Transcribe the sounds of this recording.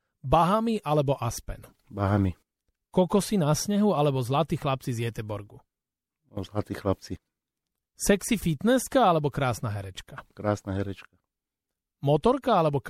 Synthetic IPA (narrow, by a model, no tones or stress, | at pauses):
baɦamiʔalɛbɔʔaspɛ̰n | baɦami | kɔkɔsinasɲɛɦualɛbɔzlat̪iːxlap̚t͡sizjɛt̪ɛbɔɾɡu | zlat̪iːxlap̚t͡si | sɛksifit̪nɛskaalɛbɔkɾaːsnaɦɛɾɛt͡ʃkakɾaːsnaɦɛɾɛt͡ʃkḁ | mɔt̪ɔɾkaalɛbɔk